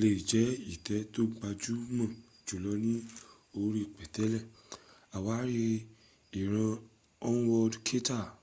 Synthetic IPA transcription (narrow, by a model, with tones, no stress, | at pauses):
le˨d͡ʒɛ˨˦i˦˨tɛ˨˦to˦ɡ͡ba˧d͡ʒu˦mã˦˨ | d͡ʒu˨lɔ˨˧˦nĩ˦ | o˧ɾi˧˨k͡pɛ˨tɛ˨˦lɛ˦˨ | a˨wa˨˦ɾe˧ | i˨ɾ̃ã˧ | ɔ̃˦wɔ˧dkʰe˦ta˦˨